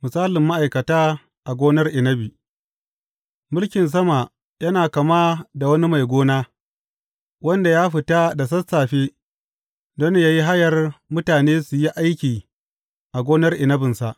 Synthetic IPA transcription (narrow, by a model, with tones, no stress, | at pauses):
mʊ˨saː˦lɪ˨mːa˦ʔa˨jkɐ˨taː˦ | ʔa˨ɡʷoː˦nɐ˦rʔɪ˨nɐ˦biː˨ | mʊ˦lkʲɪ˨ns̬ɐ˦ma˨ | jɐ˦naː˨kɐ˨maː˦da˨wɐ˦ni˦ma˨jɡʷoː˦naː˦ | wɐ˦nda˨jaː˦ɸɪ˨ta˦da˨s̬ɐ˦saː˨ɸeː˦ | dɔ˦n˦jaː˦ji˦ɦa˦jɐ˨rmʊ˦taː˨neː˦su˨ji˦ʔa˦jkʲiː˨ | ʔa˨ɡʷoː˦nɐ˦rʔɪ˨nɐ˦bɪ˨nsa˨ʔ